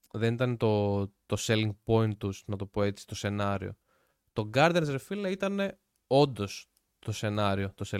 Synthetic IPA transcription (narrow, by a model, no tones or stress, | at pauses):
ðe̞nit̪ɐnet̪o̞t̪o̞seliŋɡpo̞int̪usnɐt̪o̞po̞e̞t͡si̥t̪o̞se̞nɐɾḭo̞̰ | t̪o̞ɡɐɾd̪iɐnzeɾfilɐit̪ɐne̞ | o̞nd̪o̞s | t̪o̞se̞nɐɾio̞t̪ose